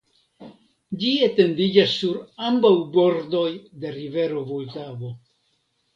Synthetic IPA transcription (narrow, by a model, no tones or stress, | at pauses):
d͡ʒiete̞ndid͡ʒasːuɾambawbo̞ɾdo̞jde̞ɾive̞ɾo̞voltavo̞